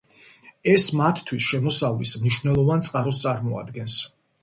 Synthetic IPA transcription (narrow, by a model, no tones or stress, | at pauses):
ɛsmat̪ʰt̪ʰwisʃɛmɔsavlismniʃvnɛlˠɔvant̪sʼqʼaɾɔst̪sʼaɾmɔa̰d̪ɡɛns